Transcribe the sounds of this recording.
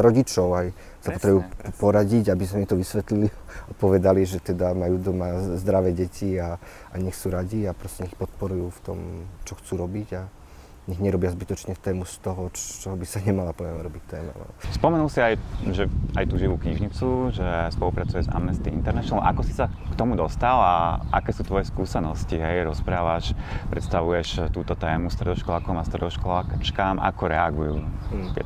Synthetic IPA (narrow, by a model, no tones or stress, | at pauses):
ɾɔɟit͡ʃɔʊaj | sapɔt̪ɾɛbuːpɔɾaɟiɟabisamit̪ɔʋisʋɛt̪liliapɔʋɛd̪aliʒɛt̪ɛd̪amajuːd̪ɔmazd̪ɾaʋɛːɟɛcʰia | ʔaɲɛxsuːɾaɟiapɾɔscɛɲɛixpɔt̪̚pɔɾujuːft̪ɔ̰mt͡ʃɔxt͡suːɾɔbiɟa | ɲɛɣɲɛɾɔbazbit̪ɔt͡ʃɲɛt̪ɛːmust̪ɔɦɔt͡ʃɔbisaɲɛmalapɔʋɛmɾɔbict̪ːɛːmɛ̰lɛ̰bspɔmɛnulsiajʒɛajt̪uːʒiʋuːkɲiʒɲit͡suʒɛspɔlupɾat͡sujɛza̰mnɛst̪iint̪ɛɾnaʃɛnlɔmʔakɔsi̥sa | kt̪ɔmud̪ɔst̪alaʔa̰kɛːsuːt̪ʋɔjɛskuːsɛnɔsciɦɛjɾɔspɾaːʋaʃpɾɛ̰t̪st̪aʋujɛʃt̪uːt̪ɔt̪ɛːmust̪ɾɛd̪ɔʃkɔlaːkɔmast̪ɾɛ̰d̪ɔʃkɔlaːt͡ʃkaːmʔa̰kɔɾɛaɡujṵːt̪ɪɛ̰